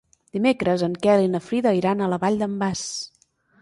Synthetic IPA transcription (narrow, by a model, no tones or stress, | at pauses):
d̪̥imekɾəzəŋkɛlinəfɾiðəiɾanələβaʎd̪əmbas